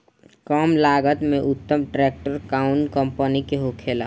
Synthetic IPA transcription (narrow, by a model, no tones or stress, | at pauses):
kaːmlaːɡət̪mẽʔʊt̪ːəmʈɾeːk̚ʈəɾkaːʊnkəmpənikeɦokʰeːla̰